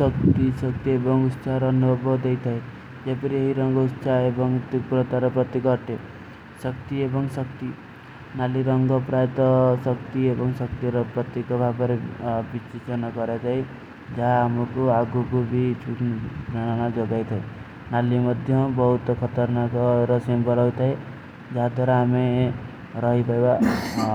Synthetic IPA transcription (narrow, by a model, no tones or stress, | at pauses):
sʌkt̪isʌkt̪iebɔŋut̪sʰaɾɔːnubʱɔbɔd̪ejt̪ʰae | d͡ʒepɔɾieɦiɾɔŋɡɔut̪sʰaebɔŋt̪ukɾɔt̪aɾɔpɾɔt̪ikɔʈe | sʌkt̪iebɔŋsʌkt̪i | naliɾɔŋɡɔpɾaet̪ɔsʌkt̪iebɔŋsʌkt̪iɾɔpɾɔt̪ikɔbʱabɔɾebit͡ʃit͡ʃɔnɔkɔɾet̪aj | d͡ʒaɦaːmɔkuaɡukubʱit͡ʃʰukd͡ʒananad͡ʒoɡajt̪ʰae | nalimɔd̪ʱjɔbɔɦut̪kʰɔt̪ɔɾnakɔɾɔsembɔɾɔjt̪ʰae | d͡ʒaɦad̪ʱwaɾaːme | ɾɔɦipajba